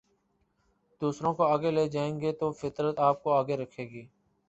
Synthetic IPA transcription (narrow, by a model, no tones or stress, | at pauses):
d̪uːsɾõːkoːaːɡeːleːd͡ʒaːẽːŋɡeːt̪oːfɪt̪ɾət̪aːp̚koːaːɡeːɾəkʰeːɡiː